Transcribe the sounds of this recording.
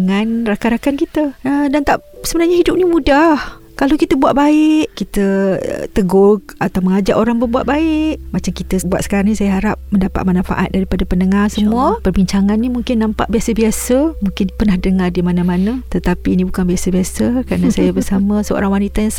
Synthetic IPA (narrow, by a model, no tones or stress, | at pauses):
ŋanrakaɾakankit̪əədant̪aʔsəbənarɲaɦidʊp̚nimudah | kalakit̪əbuaʔ̪̚baɪʔkit̪ə̰t̪əɡʊɡ̚at̪awməŋad͡ʒaʔoɾaŋbərbuaʔ̪baɪʔmat͡ʃamkit̪əbua̰t̪sə̥kaɾaŋnisajaɦaɾap̚məndapa̰ʔ̪̚manafa̰ʔa̰t̪̚daɾipadapənəŋarsəmuəpərbiɲt͡ʃaŋanːimuŋkɪnːãmpa̰ʔbiasəbiasəmuŋkɪnpərnahdəŋardimanamanət̪ət̪apiːnibukanbiasəbiasəkɾanasajabərsaməsəo̰ɾaŋwanit̪ajaŋs